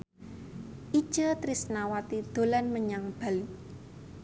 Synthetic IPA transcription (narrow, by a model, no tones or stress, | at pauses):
ʔi̥ʒ̥ət̪ɾisnawat̪id̪̥o̤lanməɲaŋb̥a̤lu